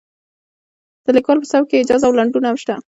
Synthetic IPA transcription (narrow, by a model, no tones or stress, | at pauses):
d̪̥əlɪkɑlpəsawkeɪd͡ʒɑzaːwlaɳɖunahamʃt̪a